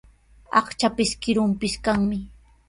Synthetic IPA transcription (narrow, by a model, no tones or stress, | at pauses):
ɑ̰χt͡ʃapɪskɪɾʊmpɪskaŋmɪ